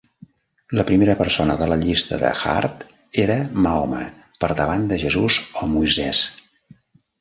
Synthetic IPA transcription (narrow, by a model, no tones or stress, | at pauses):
ləpɾimeɾəpəɾsonəðələʎist̪əðə̰xa̰ɾt̪ | eɾəmaomə̰ | pəɾðəβ̞and̪əʒəzuzɔmujzɛs